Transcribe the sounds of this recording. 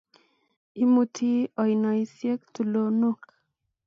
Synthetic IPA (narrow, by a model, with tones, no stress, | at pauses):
i˦mutʰi˦ɔ˨jnɔ˨isje˦k̚t̪u˨lo˨nuk